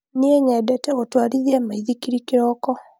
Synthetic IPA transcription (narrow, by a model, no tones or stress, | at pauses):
niɛɲɛbɛtɛɣɔtwaɾijɛmaiðikiɾikiɾɔkɔ